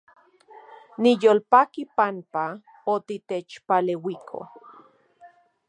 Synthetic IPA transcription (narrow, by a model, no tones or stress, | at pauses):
nijoːlpakipampa | ot̪it̪et͡ʃpalewikʰo̰